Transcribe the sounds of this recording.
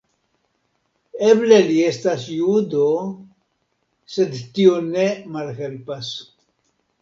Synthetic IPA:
ebleliestasjud̪o | se̞d̪tione̞malɦe̞lpas

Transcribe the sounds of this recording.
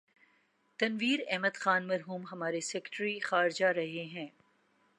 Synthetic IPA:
t̪ɐnʋiːɾɛɦməd̪xaːnmɐɾɦuːmɦɐmaːɾesɛːkʈɾixaːɾɪd͡ʒaɾɐɦeɦɛ̃ː

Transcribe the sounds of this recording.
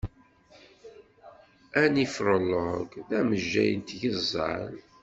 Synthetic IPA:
ænifɾˤəlːəɡðæməʒːæ̰jənt̪ʝəzˤːəl

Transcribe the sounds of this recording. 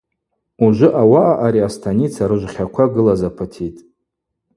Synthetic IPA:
uʒʷʊʔawaʔaʔaɾiastʰanit͡sʰaɾɨʒʷχʲakʷʰaɡɨlazapʰatʰitʼ

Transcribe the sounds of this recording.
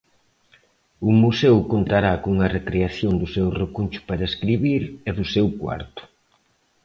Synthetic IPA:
umusɛwkont̪aɾakouŋɐrekɾeaθjoŋd̪ʊsewrekunʲt͡ʃʊ̥paɾɐeskɾiβiɾeðʊsewkwa̰ɾt̪ʊ̥

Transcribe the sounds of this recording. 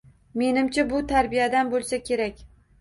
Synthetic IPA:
me̞nɪmt͡ʃʰabʊt̪ʰaɾbijad̪anbolˠsakʲʰe̞ɾakʲ

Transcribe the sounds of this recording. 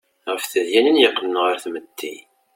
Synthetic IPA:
ʁəfθəðjænənjəqːələnʁəɾθmət̪ːi

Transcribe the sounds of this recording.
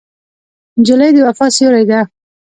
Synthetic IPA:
nd͡ʒʊlajd̪əwafɑsjoɾajd̪a

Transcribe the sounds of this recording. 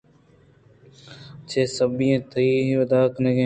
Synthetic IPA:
t͡ʃʰeːsəbijẽːt̪əɾiːɦiʋəd̪aːkneːɡẽː

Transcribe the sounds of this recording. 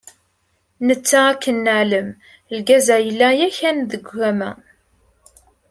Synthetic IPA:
nət͡sːaækːənːəʕləm | lɡæzæjəlːæjæçænðəɡʷæmæ̰

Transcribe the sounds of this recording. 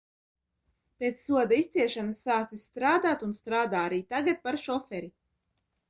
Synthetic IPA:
pʲet̪ssuɔd̪aist̪siɛʃanasːaːt̪sist̪ɾaːd̪aːt̪unst̪ɾaːd̪aːaɾiːt̪aɡat̪̚paɾʃɔfɛɾi

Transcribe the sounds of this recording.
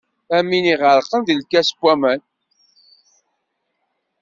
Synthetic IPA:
æmːiniʁəɾˤqənðilkːæskʷːæmæn

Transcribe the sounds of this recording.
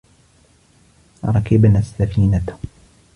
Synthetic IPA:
ɾˤɑkɪbnasːafiːnat̪ʊ̥

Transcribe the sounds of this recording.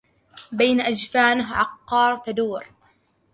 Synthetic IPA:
bajnaʔad͡ʒfaːnɪɦʕɑqːɑːɾˤt̪ad̪uːɾ

